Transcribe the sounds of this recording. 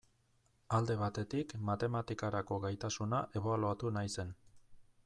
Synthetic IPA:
ald̪e̞β̞at̪e̞t̪ikmat̪e̞mat̪ikaɾako̞ɣajt̪asunaʔe̞βoalo̞at̪unajse̞n

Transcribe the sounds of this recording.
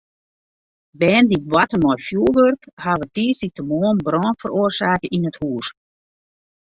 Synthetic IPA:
bɛːndiʋwatəmɔjfjuːʋørkhaʋətiːsitəmoːənbrɔːnfəroərsaːkəʔinəthuːs

